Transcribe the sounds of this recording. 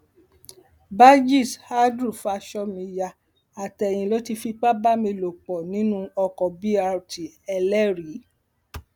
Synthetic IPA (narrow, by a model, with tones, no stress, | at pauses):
ba˦d͡ʒi˦˨sha˦dɾu˦˨fa˧ʃɔ˧mĩ˧ja˧ | a˨tɛ˧˨j̃ĩ˧lo˦ti˧fi˧k͡pa˦ba˦mĩ˧lo˨k͡pɔ˨nĩ˨˦nũ˦ɔ˧kɔ˨bi˦a˧ɾti˨ɛ˧lɛ˦ɾi˨˦